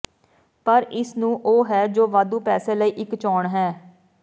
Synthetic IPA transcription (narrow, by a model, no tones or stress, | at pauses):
pəɾɪsnũːʔoːɦɛːd͡ʒoːʋaːd̪uːpɛːsẽːləiːʔɪkt͡ʃɔːɳɦɛː